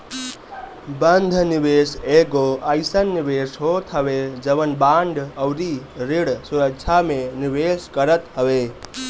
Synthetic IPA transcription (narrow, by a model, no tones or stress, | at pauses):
bənd̪ʱnibeseɡoəɪsənːibesɦot̪ʰɦəʋed͡ʒəβənbaɳɖʱəwɾiɾiɽsuɾəkt͡ʃʰamenibeskəɾət̪ɦəbe